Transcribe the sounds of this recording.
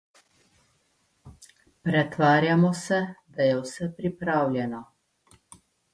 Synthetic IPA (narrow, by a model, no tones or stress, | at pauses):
pɾɛt̪ʋaːɾjamɔsɛd̪ajɛwsɛpɾipɾaːwlʲjɛnɔ